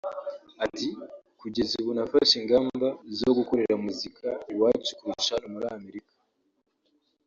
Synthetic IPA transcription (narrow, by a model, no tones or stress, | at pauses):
ati | kuɟe̞ziβunafaʃiŋɡaːmbazoɡukoɾe̞ɾamuzikʰawaɟiʃi̥kuɾiiʃanumuɾame̞ɾikḁ